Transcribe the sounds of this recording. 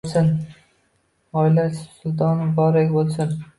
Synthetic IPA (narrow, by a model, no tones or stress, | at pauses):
sɪn | ɒɪlassʊlˠt̪ʰɒnɪbɒɾaɡʲbolˠsɪn